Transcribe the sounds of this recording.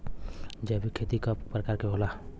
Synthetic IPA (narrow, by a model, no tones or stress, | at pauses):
d͡ʒɛbʱikʰet̪ikəppɾəkaːɾkeɦola